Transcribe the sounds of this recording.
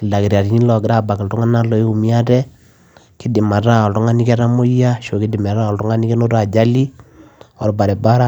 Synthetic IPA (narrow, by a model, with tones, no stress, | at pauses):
ki˨da˨ki˨ɾa˨ɾi˨ɲi˦lɔ˨ɡɪ˨ɾa˦ba˨ki˨ltu˦ŋa˦na˦lɔ˨˦u˨mi˦a˦tɛ˦ | ki˦di˨ma˨ta˦ɔ˨ltu˦ŋa˦ni˦kɛ˦ɾa˦mo˦ja˦ʃo˨ki˦di˨mɛ˨ɾa˦ɔ˨ltu˦ŋa˦ni˦kɛ˦no˦ta˨d͡ʒa˦li˦ | ɔ˨ɾba˨ɾɛ˨ba˦ɾa˦